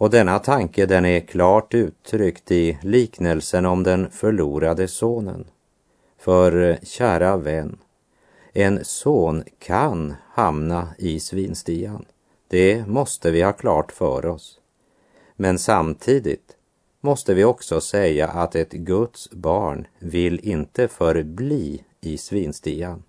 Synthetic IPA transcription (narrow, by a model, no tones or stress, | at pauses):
ɔd̪ɛnːat̪ʰaŋkəd̪ɛnæɾkʰlɑːʈʉ̟ːt̪ʰːɾʏkt̪ɪliːknəlsənɔmd̪ɛnfœɭuːɾad̪əsoːnə̰n | fœɾɕæːɾavɛnː | ɛnsoːnkʰanhamnaɪsviːnst̪iːan | d̪̥ɛmɔst̪əvɪhɑːkʰlɑːʈfœ̰ːɾɔs | mɛnsamt̪ʰiːd̪ɪ̰t̪ | mɔst̪əvɪɔksɔsɛjːa̰ʔat̪ɛt̪ɡɵt̪sbɑːɳvɪlːɪnt̪əfœɾbliː | ɪsviːnst̪iːan